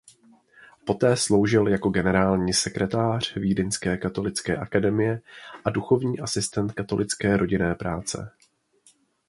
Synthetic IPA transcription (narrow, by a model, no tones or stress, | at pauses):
po̞t̪ɛːslo̞wʒɪljako̞ɡɛnɛɾaːlɲiːsɛkɾɛt̪aːr̝̥viːdɪnskɛːkat̪o̞lɪt͡skɛ̰ːʔakadɛmɪjɛʔaduxo̞vɲiːʔasɪst̪ɛnt̪̚kat̪o̞lɪt͡skɛːɾo̞ɟɪnɛːpɾaːt͡sɛ̰